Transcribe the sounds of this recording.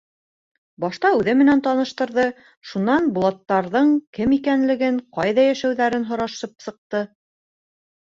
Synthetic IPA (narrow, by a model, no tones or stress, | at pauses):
bɑʃt̪ɑʉðɘmɘ̆nænt̪ɑnɤ̆ʃt̪ɤ̆ɾðɤ | ʃunɑnbulˠɑt̪ːɑɾðɤɴkɘmikænlɘ̆ɡɘɴqɑjðɑjæʃæwðæɾɘnɦŏɾɑʃɤp̚sɤ̆q̚t̪ɤ